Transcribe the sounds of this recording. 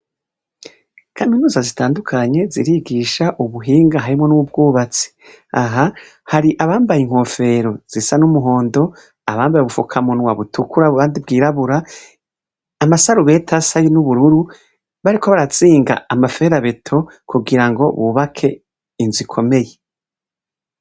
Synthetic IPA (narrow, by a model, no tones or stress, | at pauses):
kʰaminuːzazitaːndukʰaɲe̞zḭɾiɡiʃaʔuβuɦiːŋɡaɦaɾimŋo̞nuβubɡuːβat͡si̥ | aɦa | haɾiʔaβaːmbajiŋ̥ho̞fe̞ɾo̞z̥isanumuɦo̞ːndo̞ | aβaːmbajeβufukʰamunwaβutʰukuɾauβaːndib̚ɡiːɾaβuɾa | masaɾuβe̞tʰasajinuβuɾuɾu | βaɾikʰoβaɾat͡siːŋɡa̰amafe̞ɾaβe̞tʰo̞ | kuɡiɾaŋɡo̞̰βuβakʰe̞ | inzikʰo̞me̞je